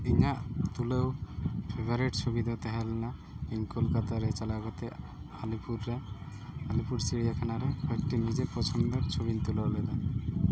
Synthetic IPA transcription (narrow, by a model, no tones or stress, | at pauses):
iɲaʔt̪ulewpʰebaɾeʈsɔbid̪at̪ɛɦɛlɛna | iŋkulkat̪aɾɛt͡ʃalaɡɔt̪ɛ | alipuɾːaː | lipuɾsiɽijakʰanaɾɛbak̚ʈinid͡ʒepɔt͡ʃʰɔnd̪ɔt͡ʃʰobint̪ulɔʔlɔd̪a